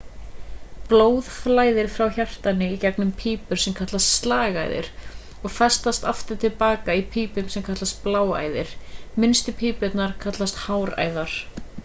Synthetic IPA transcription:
ploːwðflaːjðɪɾ̥fɾawçar̥t̪anɪicɛknʏmpʰiːpʏɾ̥sɛmkʰat̪last̪st̪laːɣa̰ːjðɪ̰ɾ̥ | ɔɣfɛst̪ast̪aft̪ɪɾ̥t̪ʰɪlpaːkaipʰiːpʏmsɛmkʰat̪last̪̚plaːwa̰ːjðɪɾ̥mɪnst̪ʏpʰiːpɛt̪naɾ̥kʰat̪last̪haːwɾa̰ːjðaɾ̥

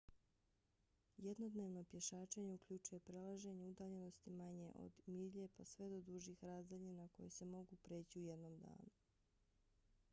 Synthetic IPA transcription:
jed̪no̞d̪ne̞ːʋno̞pje̞ʃaːt͡ʃeɲe̞ukʎut͡ʃuje̞pɾelˠaʒe̞ɲe̞ud̪aːʎe̞no̞st̪imaɲe̞̰ʔo̞̰d̪miʎe̞pasʋe̞d̪o̞d̪uʒixɾaːzd̪aʎinako̞jese̞mo̞ɡupɾeːt͡ɕiujed̪no̞md̪a̰ːnu

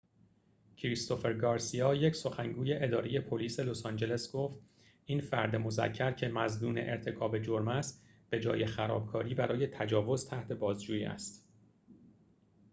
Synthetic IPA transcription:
cʰɾist̪ʰo̞fe̞ɾɡɒːɾsiɒːje̞cso̞xæŋɡuːje̞ʔe̞d̪ɒːɾeje̞pʰo̞liːse̞lo̞sɒnd͡ʒe̞le̞sɡ̥o̞ft̪ | iːnfæɾd̪e̞mo̞zæ̰cʰːæɾcʰe̞mæznuːne̞ʔeɾt̪ʰe̞kʰɒːbe̞d͡ʒo̞ɾmæst̪ | b̥e̞d͡ʒɒ̰ːje̞xæɾɒ̰ːb̥̚kʰɒːɾiːbæɾɒːje̞t̪ʰæd͡ʒɒːvo̞zt̪ʰæht̪ʰe̞bɒːzd͡ʒuːjḭːʔæ̰st̪

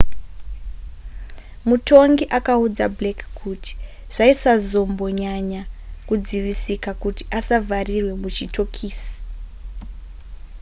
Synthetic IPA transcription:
muto̞ŋɡiʔakaud͡za̰blekkʰuti̥ | ʐ̥aisazo̞mbo̞ɲaɲakud͡ziʋisikakuti̥ʔasavʱarirwe̞mut͡ʃitʰo̞kʰiːsi̥

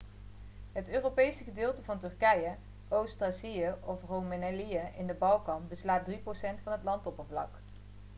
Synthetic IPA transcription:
ɦətøːropejsəχədɪːlˠtəvɑntɵrkɛjə | owstasijəɔfrowmenɛlijəʔɪndəbɑlˠkɑnbəslaːt̚driprosɛntfɑnɦətlɑntɔpənvlɑ̰k

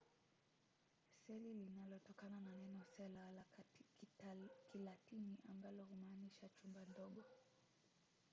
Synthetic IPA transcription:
sɛlilinalɔtɔkanananɛnɔsɛlala | kilatiniʔambalɔhumaːniʃat͡ʃumbandɔɠɔ

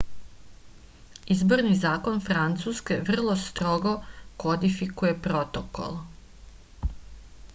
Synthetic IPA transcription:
izbo̞ɾnizaːko̞nfɾant̪suːskʲe̞ʋr̩lˠo̞st̪ɾo̞ɡo̞kod̪ifikuje̞pɾo̞t̪oko̰l

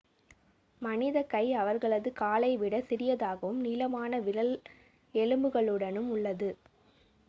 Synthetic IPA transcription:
mɐnɪðɐkɐɪɐʋɐɾɣɐɭɐðɯkaːlɐɪʋɪɽɐsɪɾɪjɐðaːɣɐʋɯmniːlɐmaːnɐʋɪɾɐl | ɛɻɯmbɯɣɐɭɯɽɐnɯmʊɭːɐðɯ

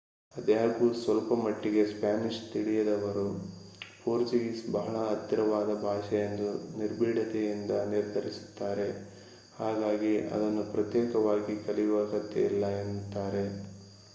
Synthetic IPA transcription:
ɐd̪jaːɡusʋɐlpɐmɐʈːiɡe̞spjaːmiʃt̪iɽijɐd̪ɐʋɐɾupuːɾt͡ʃiɡisbɐɦɐɭɐːt̪ːiɾɐʋaːd̪ɐbʱaːʃɐjend̪uniɾbʱiːɽɐt̪ejind̪ɐniɾd̪ʱɐɾisu̥t̪ːaːɾe̞ | haːɡaːɡiɐ̰d̪ɐnːupɾɐt̪jeːkɐʋaːɡikɐlijʋɐɡɐt̪ːḛilːɐent̪ːaːɾe̞

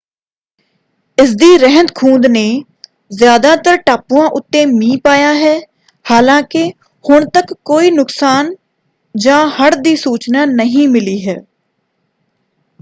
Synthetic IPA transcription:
ɪs̬d̪iːɾəɦənt̪kʰũːnd̪neː | zjaːd̪aːt̪əɾʈaːpuãːʔʊt̪ːẽːmĩːpaːjaːɦɛː | haːlãːkɪ | hʊɳt̪əkːoːiːnʊksaːn | d͡ʒãːhəɽd̪iːsuːt͡ʃnaːnəɦĩːmɪliːɦɛː

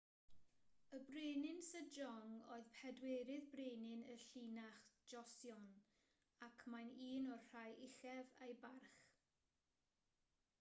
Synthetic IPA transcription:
əbreːnɪnsəd͡ʒɔŋoːɨðpʰɛdweːɾɪðbreːnɪnəɬiːnaχd͡ʒɔsjɔn | akʰmajniːnɔr̥ajʔɪχɛvejbarχ

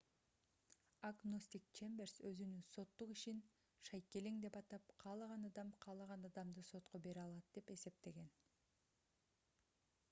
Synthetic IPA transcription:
aɡnosʲt̪ʲik̚t͡ʃembersøzynynso̞t̪ːuqiʃin | ʃɑjke̞leŋd̪e̞pɑt̪ɑp̚qʰɑːlˠɑʁɑnɑd̪ɑmqʰɑːlˠɑʁɑnɑd̪ɑmd̪ɯso̞t̪qo̞be̞ɾɑlˠɑt̪̚d̪e̞pe̞se̞p̚t̪e̞ɡe̞n

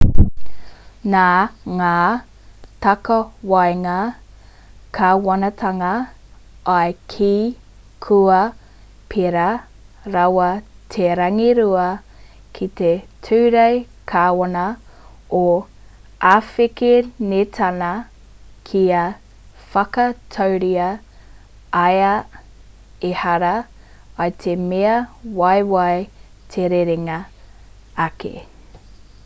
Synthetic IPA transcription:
naːŋaː | t̪ɐkɐwajŋɐ | kʰaːwɐnɐt̪ʰɐŋɐ | ʔajkʰiː | kʰuɐ | pʰeɾa | ɾawɐt̪ʰeɾɐŋiɾuɐ | kʰit̪etʰʉːɾej | kʰaːwɐnɐ | o | aːfekenet̪ʰɐnɐ | kʰiɐ | fɐkɐt̪ʰowɾiɐ | ajɐ | ehɐɾɐ | ɐjt̪ʰemeɐwajwaj | t̪ʰeɾeɾeŋɐː | kʰḛ

